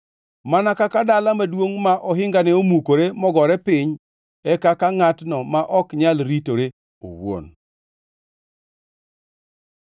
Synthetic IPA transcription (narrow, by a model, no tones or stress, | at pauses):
manakakadalamadwoŋmaʔɔɦɪŋɡanɛomukoɾemɔɡɔɾɛpɪɲ | ɛkakaŋatnɔmaʔɔkɲalɾitoɾe | o̰wo̰n